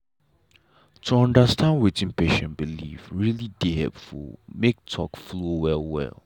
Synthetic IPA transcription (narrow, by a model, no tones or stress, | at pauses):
tʰuɔ̃ndəstʰãndwitĩnpʰeʃɛ̃nbilḭfɹilidihɛ̰lpfṵlmek̚tʰɔkflowɛlˠwɛ̰lˠ